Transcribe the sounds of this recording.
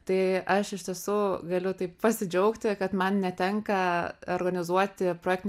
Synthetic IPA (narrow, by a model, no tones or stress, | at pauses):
t̪ɐɪʔɐʃɪʃʲt̪ʲiɛsuːɡɐlʲʊt̪ɐɪppɐsʲɪd͡ʒʲɛʊkt̪ʲɪkɐt̪mɐnnʲɛt̪ʲɛŋkɐorɡɐnʲɪzuɔt̪ʲɪpɾoːjɛkt̪nʲ